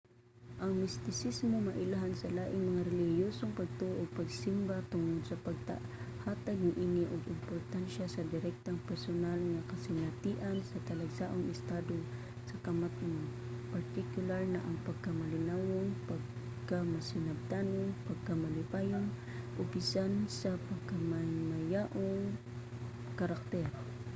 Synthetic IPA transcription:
ʔɐŋmɪst̪ɪsismomɐʔɪlaɦansɐlaːʔɪŋmɐŋaɾɛlɪhjoːsoŋpɐɡ̚t̪uʔoʔoɡ̚pɐɡsɪmbat̪ʊŋod̪̚sɐpɐɡ̚t̪a̰haːt̪aɡ̚nɐʔiːnɪʔoɡɪmpoɾt̪anʃasɐd̪ɪɾɛk̚t̪aŋpɛɾsonalŋɐkɐsɪnɐt̪iːʔansɐt̪ɐlɐɡsaːʔoŋʔɪst̪aːd̪o | sɐkɐmat̪n | pɐɾt̪ɪkjʊlaɾnɐʔɐŋpɐɡ̚kɐmɐlɪnawoŋpɐɡ | kamɐsɪnɐb̚t̪aːnoŋpɐɡ̚kɐmɐlɪbaːjon | ʔobɪsansɐpɐɡ̚kɐmɐmɐjaʔoŋ | kɐɾak̚t̪ɛɾ

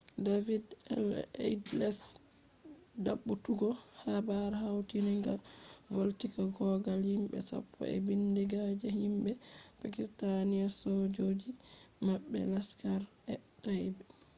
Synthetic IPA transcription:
davidɛ̰lḛdlɛs | daɓːutuɡɔhabaɾhawtiniŋɡavoltikaɡɔɡalhimɓɛ̰sa̰pʰːɔ̰ɛ̰bindiɡad͡ʒɛhimbɛpakistaniasɔd͡ʒod͡ʒimaɓːɛ̰laskaɾ | ɛtajbɛ

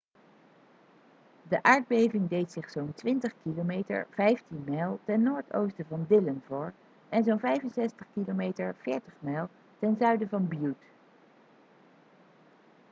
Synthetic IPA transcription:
dəʔaːɹd̚bejvɪŋdejtsɪχsowntʋɪntəχkilomejtə̰ɹv̥ɛjftinmɛlˠtɛnːoːɹtʰo̰wstəvɑndɪlənvʊːɹ | ɛnzownvɛjvənsɛstəχkilomejtəɹv̥ɪːɹtəχmɛlˠ | tɛnzœɥdəvɑnbjut

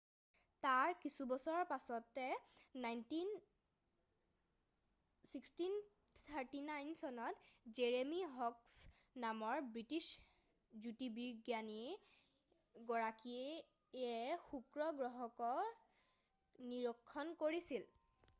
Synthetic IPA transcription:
taɹkisubɔsɔɹɔpasɔtːɛnajntin | sikstin | tt̪ʰaɹtinajnsɔnɔtzeɹemiɦɔksnamɔɹbɹitis | zutibiɹɡjani | ɡɔɹakiɛ | ɛxukɹɔɡɹɔɦɔkɔ | niɹɔkʰːɔnkoɹisil

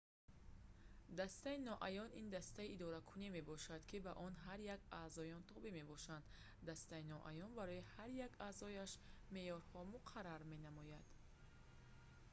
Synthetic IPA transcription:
d̪ast̪ainɔʔajɔnind̪ast̪aiʔːd̪ɔɾakʰunime̞bɔʃad̪kʰibaʔɔnɦaɾjakaːzɔjɔnt̪ʰɔbime̞bɔʃand̪ | d̪ast̪ainɔʔa̰jɔnbaɾɔihaɾjakaːzɔjaʃme̞jɔɾhɔmuqʰaɾaɾme̞namɔjad̪̥

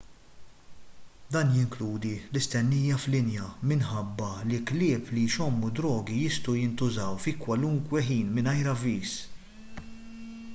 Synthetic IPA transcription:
d̪ɐːnjɪŋkluːd̪ilɪst̪ɛnːiːjɐflɪnjɐmɪnħɐbːɐlɪklɪːplijʃɔmːud̪ɾɔːɡijɪst̪ɐwjɪnt̪ʊzɐwfikwɐluŋkwɛħiːnmɪnɐjɾɐviːs

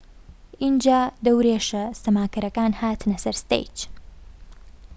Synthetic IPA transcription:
ind͡ʒaːd̪ɐwɾeːʃɐst̪ɐmaːkɐɾɐkaːnhaːt̪nɐsɐɾst̪ḛjt͡ʃ

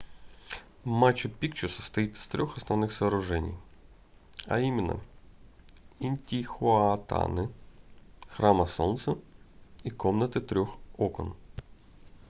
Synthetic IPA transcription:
mat͡ɕːʊpʲikt͡ɕʊsə̥st̪ɐjit̪ɨ̥st̪ɾʲɔxɐsnɐvnɨxsɐːɾʊʐɛnʲɪ̰j | ɐ̰imʲɪnːə̰ | inʲtʲixʊɐt̪a̰nɪ | xɾamɐsont̪sə | ikomnət̪ɨt̪ɾʲoxokɔ̰n

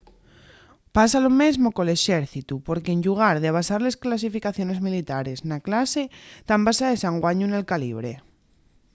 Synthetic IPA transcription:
pasalo̞mezmo̞koleʃeɾθit̪upoɾkeːɲʲʎuɣ̞aɾðeaβ̞asaɾle̞sklas̬ifikaθjo̞ne̞zmilit̪aɾe̞znaklase̞t̪ambasaðesaŋɡwaɲunelkaliβ̞ɾe

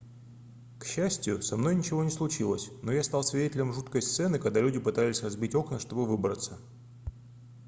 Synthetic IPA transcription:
kɕːæsʲtʲjʊsɐmno̞jnʲɪt͡ɕɪvo̞nʲɪslˠʊt͡ɕilˠəsʲno̞jast̪ɑlˠsvʲɪdʲetʲɪlʲɪmʐut̪kəjst̪sɛnɨkɐɡd̪alʲʉdʲɪpɨt̪alʲɪsʲrɐzbʲitʲo̞knəʂt̪o̞bɨvɨbɾət̪sə

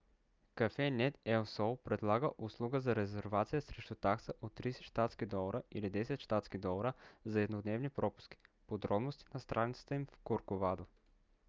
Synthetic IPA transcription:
kɐfɛnɛt̪ɛlsɔlˠpɾɛd̪lˠaɡəʔʊslˠuɡəzɐɾɛzɛɾvat̪sijəsɾɛʃt̪ut̪aksəʔot̪ːɾisɛ̥ʃt̪at̪skid̪ɔlˠəɾəilid̪ɛsɛt̪ʃt̪at̪skid̪ɔlˠɐɾəzɐɛd̪nod̪nɛvnipɾɔpʊ̥ski̥pod̪ɾɔbnost̪inɐst̪ɾʔanit̪sə̥t̪əimfkoɾkovad̪o

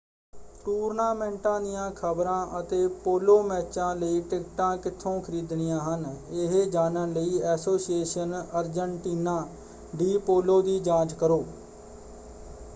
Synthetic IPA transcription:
ʈuːɾnaːmɛ̃ːɳʈãːd̪ɪjãːkʰəbɾãːʔət̪eːpoːloːmɛːt͡ʃãːləiːʈɪkʈãːkɪt̪ʰːõːkʰəɾiːd̪ɳɪjãːɦənɪɦd͡ʒaːnənləiːɛːsoːsieːʃənəɾd͡ʒəɳʈiːnãː | ɖiːpoːloːd̪iːd͡ʒãːt͡ʃkəɾoː

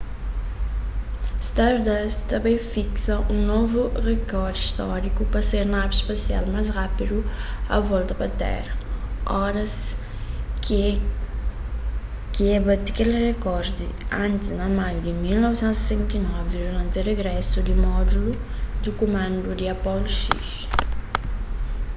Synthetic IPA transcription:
st̪aɾd̪ɛst̪ɐ̃mbẽj̃fiksɐʔũnovuʁekɔɾd̪iʃt̪ɔɾikupɐseɾnabispɐsia̰lmajzʁapid̪uɐ̰vɔlˠt̪ɐpɐt̪ɛ̰ɾɐɔɾɐs | kiɛbɐd̪ikelʁekɔɾd̪iɐ̃nt̪ɪznɐmajud̪ɪmilnɔvisɛ̃nt̪zssɛ̃nt̪inɔvɪd̪uɾɐ̃nt̪ʁeɡɾɛsud̪ɪmɔd̪ulu | d̪ukumɐ̃nd̪ud̪iɐpɔlʃḭʃ

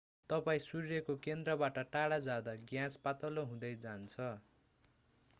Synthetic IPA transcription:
t̪ʌpaĩsurjʌkokend̪rʌbaʈʌʈaɽad͡zad̪aɡjãspat̪ʌloɦũd̪ʌjd͡zant͡sʰʌ

